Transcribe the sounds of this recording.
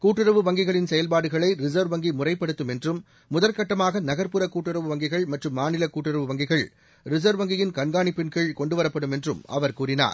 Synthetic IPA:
kuːʈːɯɾɐʋɯʋɐŋɡɪɣɐɭɪnsɛjɐlpaːɽɯɣɐɭɐɪɾɪsɐɾʋɐŋɡimʊrɐɪpːɐɽɯt̪ːɯmɛndrɯmː | ʊðɐlkɐʈːɐmaːɣɐnɐɣɐɾpɯɾɐkuːʈːɯɾɐʋɯʋɐŋɡɪɣɐɭmɐʈrɯmːaːnɪlɐkuːʈːɯɾɐʋɯʋɐŋɡɪɣɐɭ | ɾɪs̬ɐɾʋɐŋɡɪjɪnkɐɳɡaːɳipːɪnkɐɭkɔɳɖɯʋɐɾɐpːɐɽɯmɛndrɯmʔɐ̰ʋɐɾkuːrɪna̰ːɾ

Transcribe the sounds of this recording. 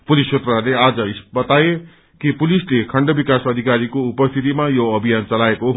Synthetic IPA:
pulist͡ʃʰet̪ralead͡zʌisbʌt̪aje | kipulislekʰʌɳɖobikasʌd̪ʱikaɾikoupʌst̪ʰit̪imajoʌbʱijant͡sʌlaekoɦ

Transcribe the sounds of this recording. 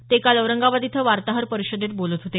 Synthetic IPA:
t̪ekaləwɾəŋɡaʋad̪it̪ʰəʋaɾt̪aɦəɾpəɾiɕəd̪ʱet̪̚bolət̪ɦot̪e

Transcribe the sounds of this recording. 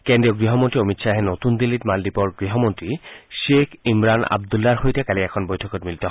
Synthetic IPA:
kendɹiɔɡɹiɦɔmontɹiomitsaɦɛnotund̪ilːitmaldipɔɹɡɹiɦɔmontɹiʃekʰimɹana̰b̚d̪ulːaɹɦojtɛkaliɛkʰɔnbojtʰɔkɔtmilitɔ

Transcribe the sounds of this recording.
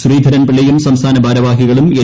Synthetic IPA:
suriːd̪ʱɐɾɐnpiɭɐjumsɐmst̪ʰaːnɐbʱaːɾɐʋaːɦiɣɐɭume

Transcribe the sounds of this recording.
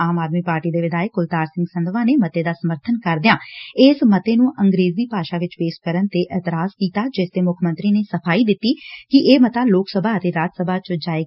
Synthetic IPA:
aːmaːd̪miːpaːɾʈiːd̪eːʋɪd̪aːəkʊlt̪aːɾsɪ̃ŋɡsənd̪ʋãːneːmət̪eːd̪aːsəməɾt̪ʰənkəɾd̪ɪjãːɪːsmət̪eːnũːʔə̃ŋɡɾeːzd̪iːpaːʃaːʋɪt͡ʃpeːs̚kəɾənt̪eːʔɛːt̪ɪɾaːskiːt̪aːd͡ʒɪsd̪eːmʊkʰmə̃nt̪ɾiːneːsəpʰaːiːd̪ɪt̪ːiːkɪʔeːmət̪aːloːksəbʱaːət̪eːɾaːd͡ʒsəbʱaːt͡ʃd͡ʒaːe

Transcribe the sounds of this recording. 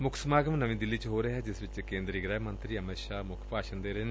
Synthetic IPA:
mʊkʰsmaːɡəmnəʋĩːd̪ɪlːiːt͡ʃɦoːɾeɦɛːd͡ʒɪsʋɪt͡ʃkẽːnd̪ɾiɡɾɛːɦmə̃nt̪ɾiːəmeːʃaːmʊkʰpaːʃənd̪eːɾeːn

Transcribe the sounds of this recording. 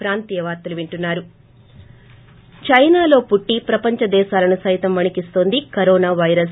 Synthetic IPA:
ɾaːnt̪ijɐʋaːɾt̪ːɐluʋiɳʈunːaːɾu | t͡ʃɐjnaːlo̞ːpuʈːipɾɐpɐɲt͡ʃɐd̪ɛːʃaːlɐnusɐjt̪ɐmʋɐɳikist̪o̞ːnd̪ikɐɾoːnaːʋɐjɾɐs

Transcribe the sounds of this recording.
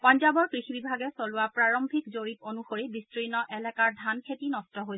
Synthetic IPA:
pɔnzabɔɹkɹixibibʱaɡɛsolʊwapɹaɹombʱikzoɹiponuxoɹibistɹinɔʔɛlɛkaɹdʱankʰetinɔstɔɦoj

